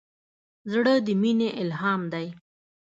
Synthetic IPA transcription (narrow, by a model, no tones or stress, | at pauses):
zɽəd̪əmineʔɪlɦɑːmd̪aj